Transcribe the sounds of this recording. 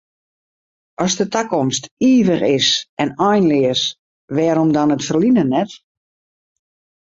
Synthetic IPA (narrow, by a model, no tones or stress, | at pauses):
ɔsdətakɔmstiːvəχɪsʔɛnɔjnlɪəs | ʋɛːɾɔmdɔnətfərlinənɛt